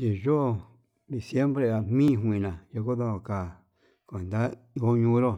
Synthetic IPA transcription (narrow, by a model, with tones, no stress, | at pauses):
i˨ʒo˦˧˨ | d̪i˨sje˦mbɾe˧a˧mĩ˦˨ɦʷĩ˨nã˨jo˧ko˦ðõ˧o˧˨ka˨ | kʷe˨nd̪a˦ | o˦ɲũ˧˦ɾo˦